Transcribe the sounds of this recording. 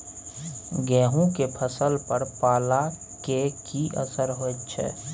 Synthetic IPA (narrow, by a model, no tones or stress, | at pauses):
ɡɛːɦũkepʰəsəlpəɾpaːla | kekʰiʔə̰səɾɦott͡ʃʰɛ̰ː